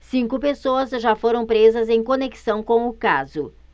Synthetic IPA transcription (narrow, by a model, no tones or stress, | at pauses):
sĩkʊpesoɐzʒafoɾɐ̃w̃pɾezɐzẽj̃koneki̥sɐ̃w̃kõw̃ʊkazʊ